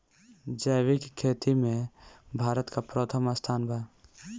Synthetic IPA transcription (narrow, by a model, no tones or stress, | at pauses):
d͡ʒəːwɪkkʰːeːt̪imẽbʱaːɾət̪kapɾoːt̪ʰəməst̪ʰaːnbʱaː